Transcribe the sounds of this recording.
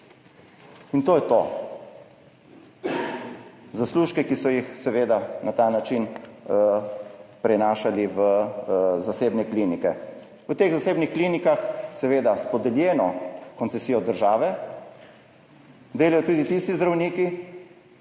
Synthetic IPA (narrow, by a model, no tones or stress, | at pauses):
int̪oːjɛt̪o̰ | zasluːʃkɛkisɔjixsɛʋeːd̪anat̪anat͡ʃin | pɾɛnaːʃaliʋə | zaseːbnɛklinikɛ̰ | ʋət̪eːɣzaseːbnixkliːnikaxsɛʋeːd̪aspɔd̪ɛljɛːnɔkɔntsɛsijɔd̪əɾʒaːʋɛ | d̪eːlajɔt̪uːd̪it̪ist̪izd̪ɾawniːki